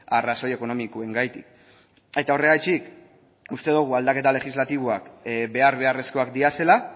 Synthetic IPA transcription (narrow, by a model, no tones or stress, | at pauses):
araso̞je̞ko̞no̞mikoe̞ŋɡajt̪ik | e̞t̪ao̞re̞ɣajt͡ʃik | ust̪e̞ðuɣ̞uald̪ake̞t̪ale̞xizlat̪iβ̞oakbe̞aɾβe̞are̞sko̞akd̪iase̞la